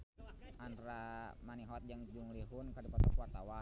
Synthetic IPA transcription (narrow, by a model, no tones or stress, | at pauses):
ʔanramaniɦɔt̪̚d͡ʒaŋd͡ʒuŋliɦunkadupat̪ɔkuart̪awa